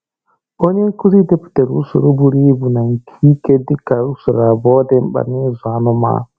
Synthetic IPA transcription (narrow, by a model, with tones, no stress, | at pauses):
o˦ɲe˦ku˦ɾi˦de˦pu̥tɛ˨ɾṵ˦sṵ˨ɾo˦bu˨ɾiː˦bu˨na˨ŋkʰiː˦ke˦di˦ka˨ɾu˦su˨ɾa˨bɔ˦dɛ˦mba̰˨mɛ˦za˨nɔ˦ma̰˨